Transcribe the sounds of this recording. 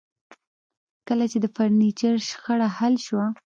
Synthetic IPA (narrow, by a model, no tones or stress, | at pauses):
kəlat͡ʃed̪əfaɾnit͡ʃaɾʃxəɽahalʃwa